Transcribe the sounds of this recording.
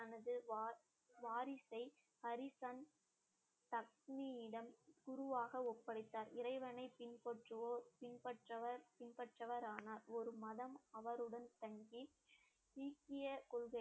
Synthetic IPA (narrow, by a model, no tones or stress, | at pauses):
ɐnɐðɯʋː | ʋaːɾɪsɐɪ | hɐɾɪsan | t̪ɐk̚nijɪɽɐmɡ̥ʊɾʊʋaːɣɐɔpːɐɽɪt̪ːaːɾɪɾɐɪʋɐnɐɪpɪnpɐʈrɯoːɾpɪɳpɐʈrɐʋɐɾpɪnpɐʈrɐʋɐɾaːnaːɾɔɾɯmɐðɐmɐʋɐɾɯɽɐnt̪ɐŋɡi | tiːkːɪjɐkɔlɣɐɪ